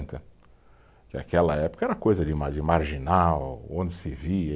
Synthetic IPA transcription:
t̪ɐ | d͡ʒɪa̰kɛlɐɛpʊ̥kɐɛɾɐkojzɐd͡ʒɪmad͡ʒɪmaɾʒinawõnd͡ʒɪsɪviɐ

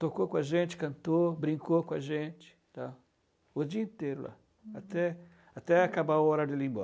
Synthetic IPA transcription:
t̪okokõaʒẽnt͡ʃɪ̥kɐ̃nt̪obɾĩŋkokõaʒẽt͡ʃɪ̥t̪a | ʊd͡ʒiɐĩt̪ejɾʊla̰ | at̪ɛ | at̪ɛakabaɔɾaɾd͡ʒɪlĩmbɔ̰

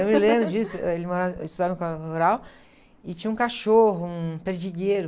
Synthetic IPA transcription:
ewmɪlẽbɾʊd͡ʒisʊelɪmoɾaist̪ud̪avɐ̃kaoɾaw | ɪt͡ʃĩɲɐũkaʃoɦʊũpeɾd͡ʒiɡeɾʊ

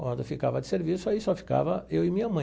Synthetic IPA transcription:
ɔd̪ɐfikavɐd͡ʒɪseɾvisʊaisɔfi̥ka̰vɐewɪmĩɲɐmɐ̃

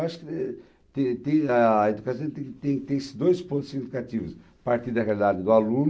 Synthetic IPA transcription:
aʃʊ̥kɪ | t̪ẽt̪ẽj̃ɐed̪ukasɐ̃w̃t̪ẽt̪ẽj̃t̪ẽj̃sɪd̪ojspõnt̪ʊzed̪ukat̪ivʊs | paɾt̪iɾd̪ɐʁealid̪ad̪ɪd̪ʊalũn

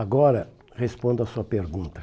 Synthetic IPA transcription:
aɡɔɾɐ | ʁespõnd̪ʊasuɐpeɾɡũnt̪ɐ

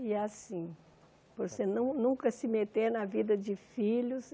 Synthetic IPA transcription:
ɪasĩ | poɾsenũnũkɐsɪmet̪eɾnɐvid̪ɐd͡ʒɪfiʎʊs

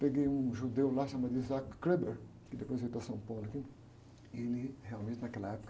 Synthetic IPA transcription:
peɡejũʒud̪ewlaʃamad̪izakːɾeb̪eɾ | kɪd̪epojzejt̪asɐ̃pawluki | elɪhealmẽnt̪ɪnɐkɛlɐɛpo̥kɐ

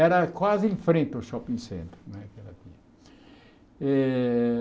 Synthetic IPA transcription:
ɛɾɐkwazĩfɾẽnt̪ɐwʃɔpĩsḛ̃nt̪ɾunw̃ɛkɛlɐt̪ĩɲɐ | ɛ

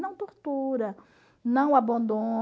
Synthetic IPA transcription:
nɐ̃w̃t̪oɾt̪uɾɐ | nɐ̃w̃abɐ̃nd̪õ

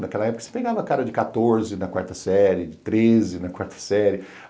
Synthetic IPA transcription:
nakɛlɐɛpokɐ̥se̥peɡavɐkaɾɐd͡ʒɪkat̪oɾzɪnɐkwa̰ɾt̪ɐsɛɾɪd͡ʒɪt̪ɾezɪnɐkwaɾt̪ʰɐ̥sɛɾɪ

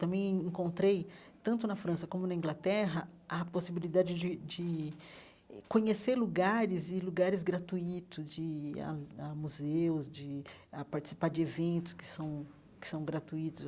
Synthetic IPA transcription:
t̪ɐ̃mbẽj̃ẽŋkõnt̪ɾejt̪ɐ̃nt̪ʊnɐfɾɐ̃sɐkõmʊnɐĩŋɡlat̪ɛɦɐɐposibilid̪ad͡ʒɪd͡ʒɪd͡ʒɪ | kõɲeseɾluɡaɾɪzɪluɡaɾɪzɡɾat̪uit̪ʊzd͡ʒɪa̰amuzewzd͡ʒɪapaɾt͡ʃɪ̥si̥paɾd͡ʒɪevẽnt̪ʊ̥skɪ̥sɐ̃w̃ | kɪ̥sɐ̃w̃ɡɾat̪uit̪ʊs

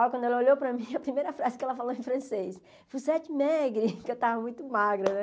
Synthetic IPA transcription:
awkwɐ̃nd̪ʊɛlɐoʎowpɾɐmĩɐpɾimejɾɐfɾazɪkɛlɐfalowẽfɾɐ̃sejs | fojsɛt͡ʃɪmɛɡɾikɪewt̪avɐmũj̃t̪ʊmaɡɾɐnɛ

